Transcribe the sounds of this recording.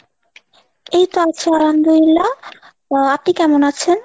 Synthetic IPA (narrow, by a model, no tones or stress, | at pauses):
ejt̪oat͡ɕʰeaɾand̪oilːa | apnikɛmonat͡ɕʰen